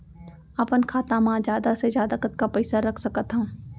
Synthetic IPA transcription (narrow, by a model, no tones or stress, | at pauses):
ɐpənkʰaːt̪ãmãːd͡ʒjaːd̪asezjaːd̪akət̪̚kapɐɪsaɾɐkʰsɐkət̪ɦã